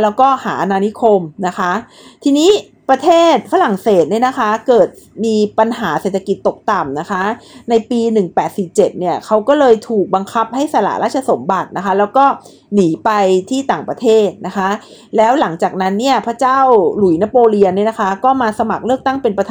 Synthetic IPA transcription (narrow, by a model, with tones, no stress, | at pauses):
lɛː˦˥wkɔː˥˩haː˩˦ʔa˧naː˧ni˦˥kʰo˧mna˦˥kʰa˦˥ | t̪ʰiː˧niː˦˥ | pɾa˧t̪ʰeː˥˩t̪̚fa˦la˨˩ŋseː˨˩t̪̚ni˥˩na˦˥kʰa˦˥kɤː˨˩t̪̚miː˧pa˧nɦaː˩˦se˨˩t̪ʰːa˧ki˨˩t̪ːo˨˩k̚t̪a˨˩mna˦˥kʰa˦˥na˧jpiː˧nɯ˨˩ŋpɛː˨˩t̪̚si˨˩p̚t͡ɕe˨˩t̪̚ni˥˩ɐkʰa˦˥wkɔː˥˩lɤː˧jt̪ʰuː˨˩k̚ba˧ŋkʰa˦˥p̚ha˥˩jsa˧la̰ː˨˩˦ɾʔaː˥˩t̪̚t͡ɕʰa˧so˨˩˦mba˨˩t̪̚na˦˥kʰa˦˥lɛː˦˥wkɔː˥˩ | niː˩˦pa˧jt̪ʰiː˥˩t̪aː˨˩ŋpɾa˧t̪ʰeː˥˩t̪̚na˦˥kʰa˦˥ | lɛː˦˥wla˩˦ŋt͡ɕaː˨˩k̚na˦˥nːi˥˩ɐpʰa˦˥t͡ɕaː˥˩wlu˨˩˦jna˦˥poː˧li˧əni˥˩na˦˥kʰa˦˥kɔː˥˩maː˧sa˧ma˨˩k̚lɯ˥˩ək̚t̪a˥˩ŋpe˧npa˧t̪ʰa